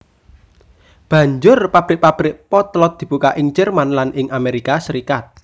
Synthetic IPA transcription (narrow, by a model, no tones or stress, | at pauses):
b̥ä̤ɲd͡ʒʊrpab̥ɾɪʔ̚pab̥ɾɪʔ̚pɔt̪lɔt̪̚d̪̥i̤b̥ukaʔɪŋd͡ʒɛrmanlanʔɪŋameɾikasɾikat̪̚